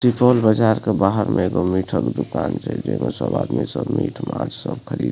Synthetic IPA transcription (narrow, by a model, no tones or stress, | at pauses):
sipolbəd͡ʒaːɾkebaɦəɾmʔeeːɡomiʈʰəkd̪ukaːnt͡ʃʰɛd͡ʒemesəba̰ːd̪misəbmiʈʰmad͡ʒsəbkʰəɾiːd̪